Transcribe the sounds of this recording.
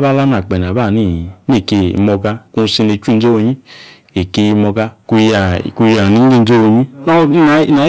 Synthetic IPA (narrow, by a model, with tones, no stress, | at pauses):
ba˦˨la˦na˨k͡pɛ˨n˨a˨ba˦˨ni˦˨ne˦˨ke˧mɔ˧ɡa˧ku˧si˧ne˧t͡ʃu˦˧˦d͡ʒo˦wo˧ɲĩ˦ | e˨ke˧mɔ˧ɡa˧ku˧ja˧˨ku˧ja˨ni˨˦ɡi˦n̩˦d͡ʒo˦wo˧ɲi˦na˦a˨˦na˨˦